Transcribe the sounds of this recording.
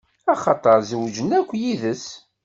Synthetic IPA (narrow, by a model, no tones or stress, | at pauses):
ɑχɑt̪ˤɑɾˤziwd͡ʒənækʷːjiðəs